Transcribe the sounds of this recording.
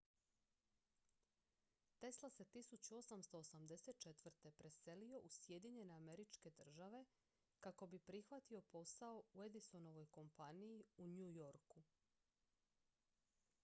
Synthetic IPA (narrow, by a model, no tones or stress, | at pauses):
t̪e̞slˠase̞t̪isut͡ɕuo̞samst̪o̞ːsamd̪e̞set̪̚t͡ʃe̞t̪ʋr̩t̪e̞pɾe̞se̞lio̞ʔusje̞d̪iɲe̞ne̞ame̞ɾit͡ʃke̞d̪r̩ʒaʋe̞ | kako̞bipɾixʋat̪io̞po̞sao̞ue̞d̪iso̞no̞ʋo̞jko̞mpanijiuɲujo̞ɾku